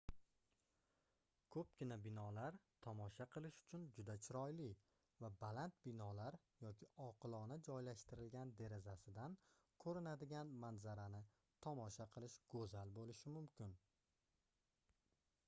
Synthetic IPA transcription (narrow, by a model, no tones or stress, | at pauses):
kʰɵp̚ɡʲɪnabɪnɒlaɾt̪ʰɒmɒʃaqʰɨlˠɪʃʊ̥t͡ʃʰʊnd͡ʒʊd̪at͡ʃʰɪɾɒjlɪ | vabalant̪̚bɪnɒlaɾ | jɒkʲʰɪʔɒqʰɨlˠɒnɪd͡ʒɒjlaʃt̪ɪɾɪlɡʲand̪e̞ɾezasɪd̪an | kʰɵɾɪnad̪ɪɡʲanmanzaɾanɪ | t̪ʰɒmɒʃaqʰɨlˠɪʃɡ̥ɵzalbolɪʃɪmʊmkʲɪn